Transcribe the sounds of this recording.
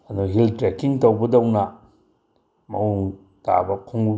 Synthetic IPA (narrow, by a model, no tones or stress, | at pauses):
anuɦiltɾekiŋtɐwbɐdɐwna | ma̰w | ta̰bɐkʰoŋ